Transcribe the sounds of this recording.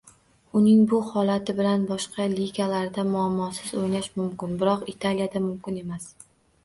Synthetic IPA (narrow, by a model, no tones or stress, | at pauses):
ʊnɪŋbʊhɒlat̪ʰɪbɪlanbɒʃqʰɑliɡʲalaɾd̪amʊamːɒsɪzojnaʃmʊmkʲɪnbɪɾɒqɪt̪ʰalijad̪amʊmkʲɪne̞mas